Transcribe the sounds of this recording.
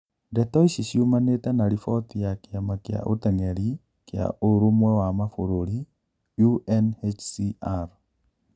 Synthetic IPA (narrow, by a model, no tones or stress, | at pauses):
dɛtɔisisjumanetanaɾifɔt̪ijakamakɪa̰ʔot̪ɛŋɛɾi | kɪa̰ʔoɾumwɛwamafoɾoɾi | juɛnhet͡ʃsiaɾ